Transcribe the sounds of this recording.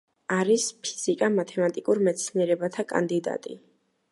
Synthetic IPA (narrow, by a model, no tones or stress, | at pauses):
aɾispʰi̥z̥ikʼamat̪ʰɛmat̪ʼikʼuɾmɛt̪sʰniɛɾɛbat̪ʰakʼa̰nd̪id̪a̰t̪ʼḭ